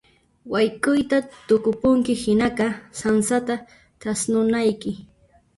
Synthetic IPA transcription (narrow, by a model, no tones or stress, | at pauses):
wajkʊjt̪at̪ʊkʊpʊŋkɪhɪnaqɑsansat̪a | t̪asnʊnajkɪ